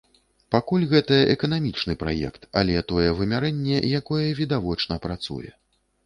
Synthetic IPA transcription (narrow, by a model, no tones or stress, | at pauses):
pakulʲɣɛt̪ɐɛkɐn̪amʲit͡ʂnɨpɾa̰jɛ̰kt̪a̰lʲɛt̪ɔjɛvɨmʲaɾɛnʲːɛjakɔjɛvʲid̪avɔt͡ʂn̪ɐpɾat̪sṵjɛ̰